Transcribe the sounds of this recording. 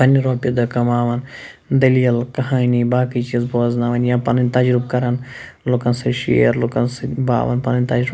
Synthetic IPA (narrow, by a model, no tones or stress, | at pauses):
ɐnːiɾoːpid̪ɐkɐmaːʋɐnd̪ɐlijɐlkɐɦaːnibaːkit͡ʃizboːznaːʋɐnjãːpɐnɐnʲt̪ɐd͡ʒɾub̚kɐɾɐn | lukɐnsɐʃḛːɐɾlukɐnsɐba̰ːʋɐ̰npɐnɐnʲt̪ɐd͡ʒɾu